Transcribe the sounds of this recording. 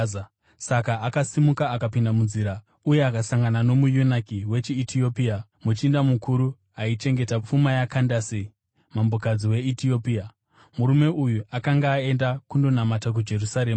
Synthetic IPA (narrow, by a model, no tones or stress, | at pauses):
sakaːkasimukaːkapindamunziɾa | uje̞akasaŋɡanano̞mujunakiwe̞t͡ʃiːtʰio̞pia | mut͡ʃiindamukuɾu | ait͡ʃe̞ŋɡe̞tafumajakandasi | mambokad͡ziwe̞itio̞pia | muɾume̞ʔujuakaŋɡaːe̞ndakundo̞namatak̬ud͡ʒe̞rusaɾeːm